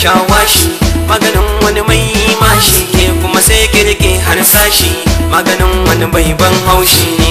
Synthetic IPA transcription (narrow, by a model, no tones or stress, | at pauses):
ʃaːwaːʃimaːɡɐnɪŋwɐnimajjiːmaːʃikʲeːkʷʊmaseːjkʲeːɽɪkʲʼeːɦansaːʃiːmaːɡɐnɪŋwɐnibajbɐŋɦawʃiːneː